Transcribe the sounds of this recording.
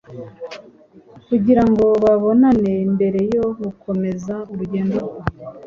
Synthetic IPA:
kuɟiɾaŋɡo̞βaβo̞nane̞imbe̞ɾe̞jo̞hukʰo̞me̞zauɾuɟe̞ːnduɡwa

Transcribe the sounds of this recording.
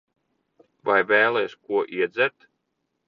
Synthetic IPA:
vajvɛːlˠɛːskuɔʔiɛd̪zʲɛɾt̪

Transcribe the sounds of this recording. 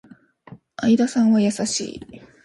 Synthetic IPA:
aid̪asãɰ̃βajasaɕḭː

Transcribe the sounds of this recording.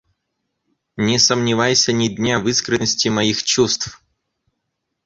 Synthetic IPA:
nʲɪsəmnʲɪvajsʲənʲɪdʲnʲavɨskɾɨnəsʲtʲɪmɐixt͡ɕust̪f

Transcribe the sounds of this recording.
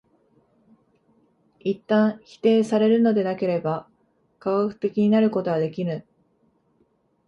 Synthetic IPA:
it̪ːãɰ̃çi̥t̪e̞ːsaɾe̞ɾɯ̟no̞d̪e̞nake̞ɾe̞ba | kaɡakɯ̟̥t̪e̞kʲiɲ̟inaɾɯ̟ko̞t̪oβad̪e̞kʲiɾɯ

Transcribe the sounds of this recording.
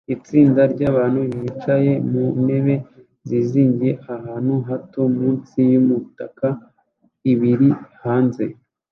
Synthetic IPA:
it͡siːndaɾɟaːβaːnhujiit͡ʃaje̞mune̞βe̞ | ziziːɲɟije̞ʔahaːnhuɦatomuːnt͡sijumutaka | iβiɾihaːnze̞

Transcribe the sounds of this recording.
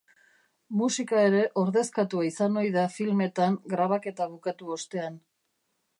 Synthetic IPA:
musikae̞ɾe̞ʔo̞ɾðe̞skat̪uaisano̞jðafilme̞t̪aŋɡɾaβ̞ake̞t̪aβukat̪uo̞st̪e̞an

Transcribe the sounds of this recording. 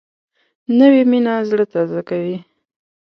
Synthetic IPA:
nəweminazɽət̪azakawi

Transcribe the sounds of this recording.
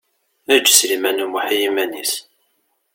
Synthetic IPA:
æd͡ʒːslimænumaħijimænis

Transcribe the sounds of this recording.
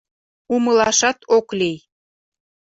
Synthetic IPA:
uməlɑʃɑt̪ʰoklʲej

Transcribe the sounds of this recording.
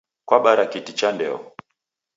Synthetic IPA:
kwaɓaɾakitit͡ʃandɛɔ

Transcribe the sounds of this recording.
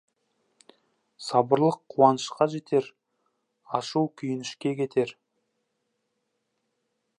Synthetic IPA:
sɑbəɾlˠəqʰːuwɑnəʃqɑʒe̞t̪ʰe̞ɾ | ɑʃuwkʲʰʏjɪnɪʃkʲe̞kʲʰe̞t̪ʰe̞ɾ

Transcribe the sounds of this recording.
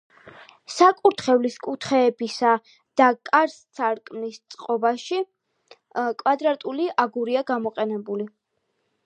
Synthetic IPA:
sakʼuɾt̪χɛvliskʼut̪ʰχɛːbisa | d̪̥akʼaɾst̪sʰaɾkʼmnist̪sʼqʼɔbaʃi | kʼwad̪ɾat̪ʼuliʔaɡuɾiaɡamɔqʼɛnɛbuli

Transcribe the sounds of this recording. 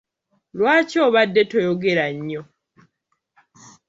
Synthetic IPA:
lwaːcoːβadːetojoɡe̞ɾaɲːo

